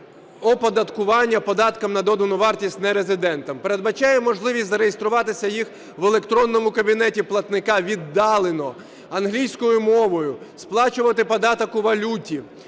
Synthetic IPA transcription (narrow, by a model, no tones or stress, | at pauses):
ɔpɔd̪ɐt̪kʊʋɑnʲːɐpɔd̪ɑt̪kɐmnɐd̪ɔd̪ɐnʊʋɑrtʲisʲtʲnɛɾezɪd̪ɛnt̪ɐmpe̞ɾed̪bɐt͡ʃɑjɛmɔʒlˠɪʋʲisʲzɐɾejest̪ɾʊʋɑt̪ɪsʲɐjix | ʋelˠe̞kt̪ɾɔnːɔmʊkɐbʲinɛtʲiplˠɐt̪nɪkɑʋʲid̪ːɑlˠenɔ | ɐnɦlʲijsʲkɔjʊmɔʋɔjʊsplˠɑt͡ʃʊʋɐt̪ɪpɔd̪ɑt̪ɔkʊʋɐlʲutʲi